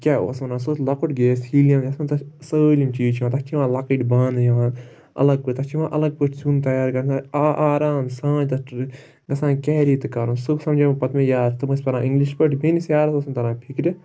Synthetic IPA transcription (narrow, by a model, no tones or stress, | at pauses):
kʲɛːo̰ːsɐnãːsoːtlɐkoʈɡeːshiːlijãːmd͡ʒɐsɐnt̪ɐsəːlʲimt͡ʃiːt͡ʃʰiãːt̪ɐt͡ʃʰiʋãːlɐkəʈbãːnd̪jʋãː | ɐ̰lɐɡ̚pɨɾʲt̪ɐt͡ʃʰiʋãːʔɐlɐɡ̚pɨʈʰsunt̪ɐjaːɾkɐɾaʔaːɾaːnsãːd͡ʒt̪ɐʈ | ɡɐsãːkʲɛːɾiːt̪ɨkaːɾuːnsɨbsɐmd͡ʒɐmpɐt̪mẽjaːtt̪ɨmɨsʲpɐnãːʔiŋɡliʃpəʈbʱenisjaːɾɐt̪oːsɐnt̪ɐɾãːpʰikɾʲi